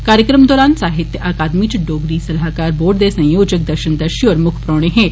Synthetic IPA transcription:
kaːɾjəkɾəmd̪ɔːɾaːnsaːɦɪt̪jəʔaːkaːd̪mit͡ʃɖoːɡɾisɐlɦaːkaːɾboːɖd̪esɐ̃jjoːd͡ʒək̚d̪əɾʃənd̪əɾʃiɔːɾmʊkʰpɾɔːɽ̃eɦɛ̃ː

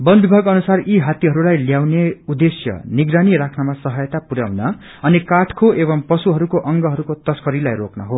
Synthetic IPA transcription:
bʌnbibʱaɡʌnusariɦat̪iɦʌɾulajljawneud̪esjʌ̰niɡɾaniɾakʰnʌmasʌɦʌjʌt̪apuɾa̰wnʌ | ʌnikaʈʰkʰoʔebʌmpʌsuɦʌɾukoʔʌŋɡʌɦʌɾukot̪ʌskʌɾilajroknʌɦo

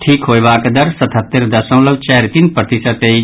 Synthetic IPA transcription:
ʈʰiːkɦoːeʋaːkd̪əɾsɐt̪ʰət̪ːəɾd̪ɐsɐ̃lɐʋt͡ʃɛːɾt̪inpɾət̪isət̪ei

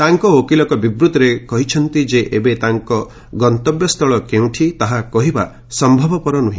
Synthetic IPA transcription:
t̪aŋkɔokilɔkɔbibɾut̪ɔɾekɔɦit͡ʃʰɔnt̪id͡ʒeʔebet̪aŋkɔ | ɡɔnt̪ɔbjɔst̪ʰɔɭɔkeũʈʰit̪aɦakɔɦiba | sɔmbʱɔbɔpɔɾɔnuɦĩ

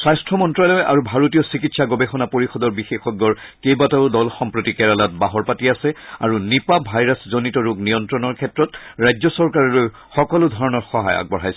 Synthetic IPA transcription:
sajstʰɹɔmɔntɹalɔja̰ɹubʱaɹotijɔsikitsaɡɔbexɔnapoɹixɔdɔɹbixexɔɡːɔɹkejbataʊdɔlxɔmpɹotikɛɹalat̚baɦɔɹpatiasɛa̰ɹunipabʱajɹaszonitɔɹuɡnijɔntɹɔnɔɹkʰɛtɹɔtɹajzɔsɔɹkaɹɔloj | xɔkɔlʊdʱɔɹɔnɔɹxɔɦa̰ja̰ɡ̚bɔɹɦajsɛ

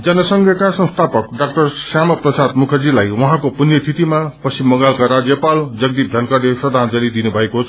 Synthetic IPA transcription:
d͡zʌnʌsʌŋɡʱjʌkasʌ̃nst̪ʰapʌkɖak̚ʈʌrsjamʌprʌsad̪mukʰʌrd͡zilajwʌɦãkopunjʌst̪ʰit̪imapʌsimːʌɡalkaɾad͡zjʌpald͡zʌɡd̪ip̚d̪ʱʌnkʌɾeprʌd̪ʱand͡zʌlid̪inubʱʌekot͡sʰ

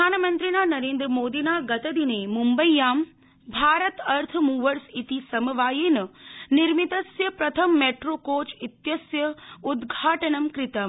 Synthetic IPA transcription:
aːnmɐnt̪ɾinaːnɐɾeːnd̪ɾəmoːd̪inaːɡɐt̪ɐd̪ineːmumbəjːaːm | bʱaːɾɐt̪ɐɾt̪ʰmuːʋəɾsit̪isɐmɐʋaːjinɐniɾmit̪ɐsjɐpɾɐt̪ʰɐmːeːʈɾoːkoːt͡ʃit̪jɐsjɐud̪ɡʱaːʈɐɳɐmkɾɪt̪ɐm

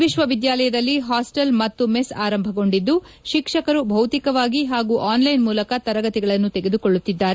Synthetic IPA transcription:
ʋiʃʋɐʋid̪jaːlɐjɐd̪ɐlːiɦaːsʈɐlmɐt̪ːumesaːɾɐmbʱɐɡo̞ɳɖid̪ːu | ʃikʂɐkɐɾubʱɐwt̪ikɐʋaːɡiɦaːɡuʔaːnlɐjnmuːlɐkɐt̪ɐɾɐɡɐt̪iɡɐɭɐnːut̪ɛɡe̞d̪uko̞ɭːut̪ːid̪ːaːɾe

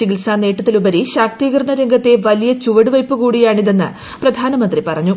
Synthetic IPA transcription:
iɡilsaːne̞ːʈːɐt̪ːilubɐɾiɕaːk̚t̪iːɣɐɾɐɳɐɾeŋɡʱɐt̪ːe̞ʋɐlijɐt͡ɕuʋɐɽuʋɐjpːukuːɽijaːɳiðe̞nːɨ̰ | prɐd̪ʱaːnɐmɐnd̪ripɐrɐɲːu

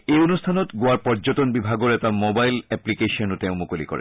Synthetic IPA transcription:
eonustʰanɔtɡoaɹpɔɹd͡ʑotonbibʱaɡɔɹɛtamobajlɛplikeʃɔnotɛʊmukolikɔ̰ɹḛ

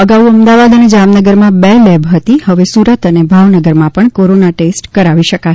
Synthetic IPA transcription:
əɡauəmd̪aʋad̪əned͡ʒamnəɡəɾmãbɛlɛbɦət̪ihəʋesuɾət̪ənebʱaʋnəɡəɾmãpəɳkoɾonaʈesʈkəɾaʋiʃəka

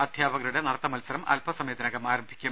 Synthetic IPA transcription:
ɐd̪ʱjaːbɐɣɐluɽenɐɽɐt̪ːɐmɐlsɐɾɐmɐ̰lpʰɐsɐmjed̪ɐnɐɣɐmaːɾɐmbʱikʲːum

